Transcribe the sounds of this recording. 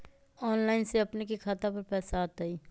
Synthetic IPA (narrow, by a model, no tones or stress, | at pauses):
ɔːnlaːɪnseɐpnekikʰaːt̪apɐɾpɛːsaːt̪aiː